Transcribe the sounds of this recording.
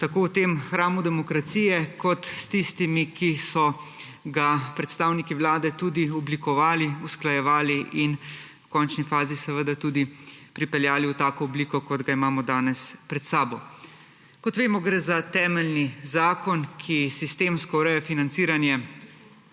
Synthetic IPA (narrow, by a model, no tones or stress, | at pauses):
t̪akoːwt̪eːmxɾaːmud̪ɛmɔkɾat̪siːjɛkɔt̪st̪ist̪imikisɔ | ɡapɾɛt̪st̪aːwnikiʋlaːd̪ɛt̪uːd̪iɔblikɔʋaːliusklajɛʋaːliʔin | wkɔnt͡ʃnifaːzisɛʋəd̪at̪uːd̪ipɾipɛljaːliwt̪aːkɔɔbliːkɔkɔd̪ɡaimaːmɔd̪aːnɛspɾɛt̪saːbɔ | kɔt̪ʋeːmɔɡɾɛːzat̪ɛːmɛlnizaːkɔnkʰisist̪eːmskɔuɾɛjɛfinant̪siːɾanjɛ